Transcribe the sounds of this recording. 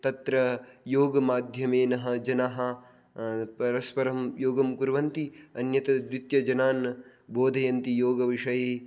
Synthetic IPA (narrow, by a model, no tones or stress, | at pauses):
t̪ɐt̪ɾɐjoːɡɐmaːd̪ʱjɐmeːnɐɦɐ̆d͡ʒɐnaɦɐ | pɐɾɐspɐɾɐmjoːɡɐmkuɾʋɐnt̪iɐnjɐt̪ɐd̪ʋit̪jɐd͡ʒɐnaːn | boːd̪ʱɐjɐnt̪ijoːɡɐʋiʂɐjeː